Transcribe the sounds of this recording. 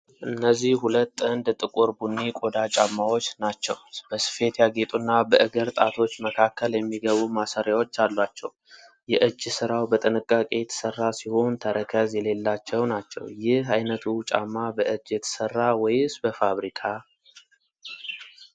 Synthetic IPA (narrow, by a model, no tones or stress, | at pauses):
ʔɨnːəzːihhulət̪ːɨnd̪t̪ʼɨkʼoɾbunːikʼo̞d̪at͡ʃʼamːawo̞t͡ʃːnat͡ʃːɛwb̥əsɨ̥fe̞t̪jaɡet̪ʼunːabəʔɨɡəɾt̪ʼat̪ʰo̞t͡ʃːməkʰakʰːəljɛmːiɡəβumasaɾjawo̞t͡ʃːalːwat͡ʃːɛ̰w | jɛʔɨd͡ʒːsɨɾawbət̪ʼɨnɨkʼːakʼe̞jɛt̪ʰə̥sərːasiho̞nt̪ʰəɾəkʰəzjɛle̞lːat͡ʃːɛwnat͡ʃːɛ̰wjɪhajnət̪ʰut͡ʃʼa̰mːabəʔɨd͡ʒːjɛt̪ʰə̥sərːawɔjsbəfaβɾikʰa